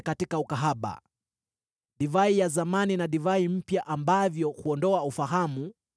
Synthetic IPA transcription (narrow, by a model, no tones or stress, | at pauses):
katikaukaɦaɓa̰ | ɗivaijazamaninaɗivaim̩pjaʔambavjɔhuɔndɔaufaɦamu